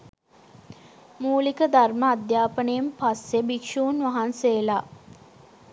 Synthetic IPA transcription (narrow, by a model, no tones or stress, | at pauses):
muːlikəd̪arməːd̪jaːpənəjempasebikʃuːunʋaɦanseːla